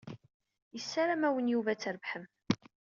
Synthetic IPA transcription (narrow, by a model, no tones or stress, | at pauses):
jəsːaɾamæwənjuvæt͡sːəɾəvħəm